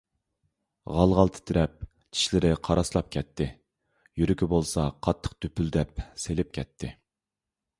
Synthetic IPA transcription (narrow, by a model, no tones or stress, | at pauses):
ʁɑlˠʁɑlˠt̪ʰɪ̥t̪ʰɪɾɛp̚ | t͡ʃʰi̥ʃlɪɾɪqʰɑɾʔɑslˠɑp̚kʲʰɛt̪ʰːɪ | jyɾykʲʰibolˠsɑqʰɑt̪ʰːə̥q̚t̪øpyld̪ɛpselɪp̚kʲʰɛt̪ʰːɪ